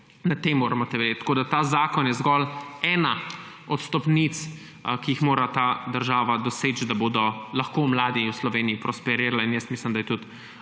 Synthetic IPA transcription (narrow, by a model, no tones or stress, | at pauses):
nat̪emːoːɾamɔt̪ɛʋɛdet̪koːd̪at̪aːzaːkɔnjɛzɡɔlɛːna | ɔt̪st̪ɔpnit̪s | kiixmoːɾat̪aːd̪əɾʒaːʋad̪ɔset͡ʃd̪aboːd̪ɔlɐxkoːmlaːd̪iwslɔʋeːniipɾɔspɛɾeːɾalainjəst̪mislimd̪ajɛt̪ut̪